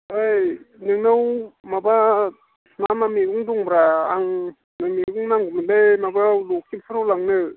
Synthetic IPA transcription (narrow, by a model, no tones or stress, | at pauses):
ajnɯŋnawmaba | mamamiuŋdɔŋbɾaːŋ | nameuŋnaŋɡumilemabalok̚ippʰɯɾawlaŋnɯ